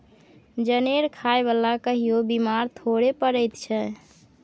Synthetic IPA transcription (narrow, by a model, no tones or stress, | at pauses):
d͡ʒəneɾkʰaebəlakəɦijobimaɾt̪ʰoɾepəɾəjt̪t͡ʃʰɛ